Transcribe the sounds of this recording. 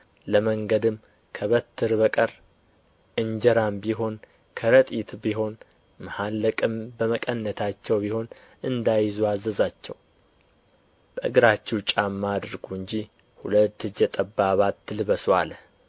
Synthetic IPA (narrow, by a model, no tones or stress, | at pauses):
ləməŋɡəd̪ɨm | kʰəβət̪ʰːɨɾbəkʼəɾ | ʔɨɲd͡ʒəɾambiɦo̞n | kʰəɾət̪ʼit̪biɦo̞n | məhalːəkʼɨmbəməkʼənːət̪ʰat͡ʃːɛwbiho̞n | ɨnd̪ajɪzuazəzat͡ʃːɛ̰w | b̥əʔɨɡɨɾat͡ʃːɪwt͡ʃʼamːad̪ɾɡuɨɲd͡ʒi | hulət̪ːɨd͡ʒɛt̪ʼəbːaβat̪ːɨlɨβəswal